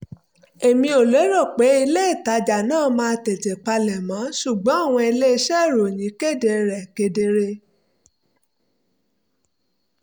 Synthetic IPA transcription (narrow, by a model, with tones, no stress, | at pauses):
e˨mĩ˧o˨le˨˦ɾɔ˦˨k͡pe˨˦i˧le˦i˦˨ta˨˦d͡ʒa˨nãː˦˨mãː˧te˨te˨k͡pa˧lɛ˨mã˨˦ʃu˦˨ɡ͡bɔ̃˨˦a˦˨w̃ɔ̃˧i˧le˦i˧ʃɛ˦˨ɾo˨jĩ˨˦ke˦˨de˧ɾɛ˨ke˨de˧ɾe˧